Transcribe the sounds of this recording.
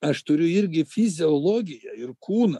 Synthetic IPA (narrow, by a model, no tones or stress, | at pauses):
ɐʃt̪ʊɾʲʊɪɾʲɡʲɪfʲɪzʲɪoːlˠoːɡʲɪjɛɪrkuːnɐ